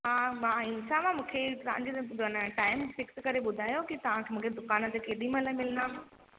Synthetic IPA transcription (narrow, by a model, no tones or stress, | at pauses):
ɦaːmãĩːnsamãmũːkʰeɾã̰ːɲd͡ʑidnəʈaːɪmfɪkskɐɾeɓʊd̪ʱaːjokit̪ɐʋ̤ãkʰemũːkʰed̪ʊkaːnə̆t̪ekeːɗĩmələmɪlənaːɦ